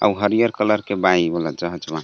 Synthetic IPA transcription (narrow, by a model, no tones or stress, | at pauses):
a̰uɦəɾijəɾkələɾkebaibələd͡ʒəɦəd͡ʒbã